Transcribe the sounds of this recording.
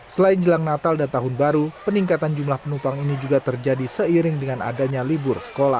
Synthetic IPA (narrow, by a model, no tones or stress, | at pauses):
səlaɪnd͡ʒəlaŋnat̪aldant̪aɦʊnbaɾupəniŋkat̪and͡ʒumlahpənumpaŋinid͡ʒuɡat̪ərd͡ʒadisəiɾɪŋdəŋana̰daɲalibʊrsə̥kola̰h